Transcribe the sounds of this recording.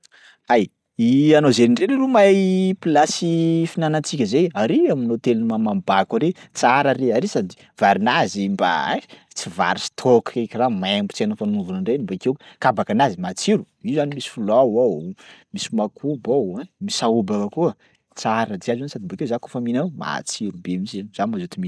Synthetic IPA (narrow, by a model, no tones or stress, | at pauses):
aj | ianozeniɳɖ͡ʐeɾilumajpilasifinanat͡sikʲəzejaɾiaminot̪elunimamambakaɾet͡saɾaɾeaɾisad̪i̥ | v̥aɾinazimba̰ | t͡siva̰ɾisi̥t̪ʰokekʲiramambu̥t͡senəfanuvunaɳɖ͡ʐenimbakewkabakanazimat͡siɾu̥ | iuzanimisi̥fulawawmisimakʰubawamisaubakakuə | t͡saɾad̪iazansad̪imbakezakofaminama̰t͡siɾubemisanzanmazot̪imi